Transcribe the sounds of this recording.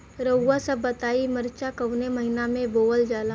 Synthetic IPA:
ɾəːasəbːət̪aːiməɾt͡ʃakɐwneməɦɪnamẽboːəld͡ʒaːlaː

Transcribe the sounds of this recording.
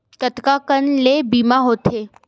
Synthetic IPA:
kət̪kakənleːbiːmaɦoːt̪eː

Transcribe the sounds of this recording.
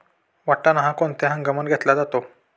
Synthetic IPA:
ʋaʈːanaɦãkoɳt̪eɦãɡəmənɡʱet̪lad͡zat̪o

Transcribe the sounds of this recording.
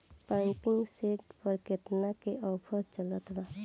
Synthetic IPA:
pãŋkiŋɡseʈpəɾket̪nakeʔɔpʰət͡ʃələt̪ba

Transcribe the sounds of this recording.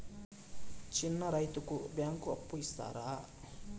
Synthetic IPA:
t͡ʃinːɐɾɐjt̪ukubjaːŋkuɐpːuist̪a̰ːɾaː

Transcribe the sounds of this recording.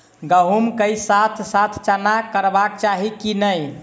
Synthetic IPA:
ɡəɦumkəjsat̪ʰsat̪ʰt͡ʃanakəɾbak̚t͡ʃaɦikinəj

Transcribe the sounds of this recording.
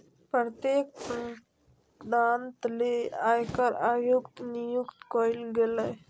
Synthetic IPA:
pɾɾt̪jeːk̚pɾ | d̪aːnt̪leaːjkəɾaːjukt̪nijukt̪koɪlɡelɛ

